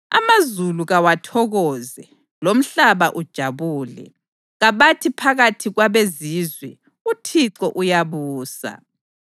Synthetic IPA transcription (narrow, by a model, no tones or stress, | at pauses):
a̰mazuluɣawatʰɔɣɔːzɛ | lom̩ɬaβaʔud̥ʒ̥ʱaβuːlɛ̰ | ɣaβatʰipʰaɣatʰiɣwaβezizwɛ | utʰiǁɔʔujaβuːsa̰